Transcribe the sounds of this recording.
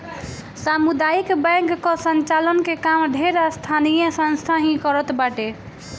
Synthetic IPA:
samud̪aikbɛ̃ŋkːɔsənt͡ʃalənkekamd̪ʱeɾast̪ʰanijəsə̃nst̪ʰaɦĩkɔɾət̪baʈe

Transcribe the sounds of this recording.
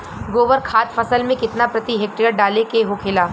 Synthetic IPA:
ɡoːʋəɾkʰaːt̪fɐsəlmẽkɪt̪napɾɐt̪iɦeːk̚ʈɾijəɾ̚ɖaːlekeɦokʰɪlaː

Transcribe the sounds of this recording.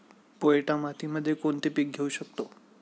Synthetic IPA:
poeʈamat̪ʰiməd̪ʱːjekoɳt̪ipik̚ɡʱeuɕək̚t̪o

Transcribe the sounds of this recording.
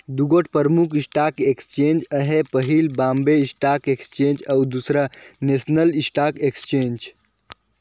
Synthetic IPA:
d̪uɡoʈʰpəɾmukisʈaːkekst͡ʃeːnd͡ʒəɦepəɦilbaːmbeisʈaːkekst͡ʃẽd͡ʒawd̪usɾanesnəlisʈakekst͡ʃeːnd͡ʒ

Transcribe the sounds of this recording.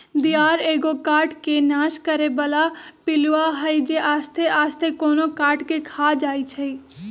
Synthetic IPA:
d̪ijaːɾeːɡokaːɾʈkenaːʃkəɾebəlapɪluaɦəid͡ʒeʔaːst̪ʰeaːst̪ʰekoːnokaːɾʈkekʰaːd͡ʒaːit͡ʃʰəi

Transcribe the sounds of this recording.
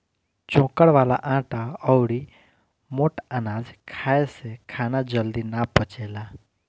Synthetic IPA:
t͡ʃõːkəɽʋaːlaʔãːʈaɔwɽi | moːʈənaːd͡ʒkʰaːesekʰaːnad͡ʒəld̪inapət͡ʃeːla

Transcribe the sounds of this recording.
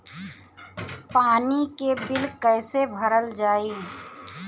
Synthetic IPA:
paːnikebɪlkɛːsebʱɐɾəld͡ʒaːiː

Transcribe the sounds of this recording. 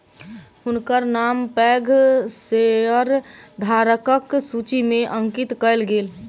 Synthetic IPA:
ɦʊnkəɾnampɛːɡʱseəɾd̪ʱaɾəkəksut͡ʃimẽʔə̃ŋkɪt̪kəlɡeːl

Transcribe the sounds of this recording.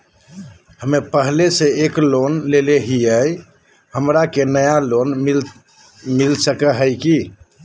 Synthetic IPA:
həmepəɦleseeklonleleɦiəj | həmɾakenəjaloni | milsəkəɦəjki

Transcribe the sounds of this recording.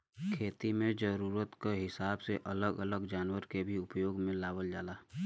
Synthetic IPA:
kʰeːt̪imẽd͡ʒəɾuːɾət̪keɦɪsaːbseʔələɡələɡd͡ʒaːnwəɾkebʱiʊpjoːɡmẽlaːbəld͡ʒaːlaː

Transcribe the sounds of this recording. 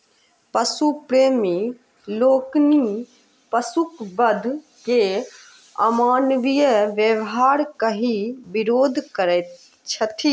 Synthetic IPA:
pɐsupɾeːmi | loːkni | pɐsukbɐd̪ʱ | ke | ɐ̰maːnʋijəʋjəʋɦaːɾkɐɦibɪɾoːd̪ʱkəɾɛ | t͡ʃʰət̪ʰi

